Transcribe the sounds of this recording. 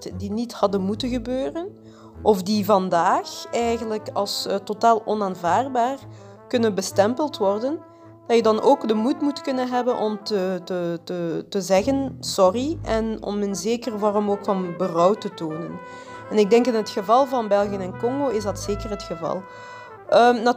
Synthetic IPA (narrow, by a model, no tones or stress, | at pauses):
tdinithɑdənmutənɣəbøːrən | ʔɔfdivɑndaːxɛjɣənləkɑlˠstotaːlˠʔɔnaːnvaːrbaːr | kʏnənbəstɛmpəlˠtʋɔrdən | d̥ɑtjədɑnoːkdəmutmutkɵnənɦɛbənʔɔmtətətətəzɛɣənsɔriʔɛnɔ̰mɪnzeːkərəvaːrɔmoːkfɑnbərɔwtətoːnən | ɛnɪɡ̚dɛŋkɪnɦətxəvɑlˠvɑnbɛlˠɣiənɛnkɔŋɡoːɪzdɑtseːkərɦətxəvɑ̰lˠ | əmnɑ